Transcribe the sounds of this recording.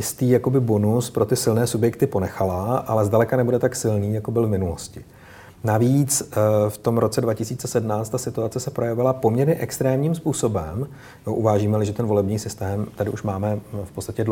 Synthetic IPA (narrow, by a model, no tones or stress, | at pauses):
jɪst̪iːjako̞bɪbo̞nuspɾo̞t̪ɪsɪlnɛːsubjɛkt̪ɪpo̞nɛxalaʔalɛzdalɛkanɛbudɛt̪aksɪlniːjako̞bɪlvmɪnuloscɪ | naviːt͡sft̪o̞mɾʔo̞t͡sɛdvacɪsiːt͡sɛsɛdmnaːt͡st̪ːasɪt̪uat͡sɛsɛpɾo̞jɛvɪlapo̞mɲɛɾɲɛʔɛkst̪ɾɛːmɲiːmspuːso̞bɛm | oʔuvaːʒiːmɛlɪʒɛt̪ɛnvo̞lɛbɲiːsɪst̪ɛːmt̪adɪʔuʃmaːmɛfpo̞t͡st̪ḁcɛdl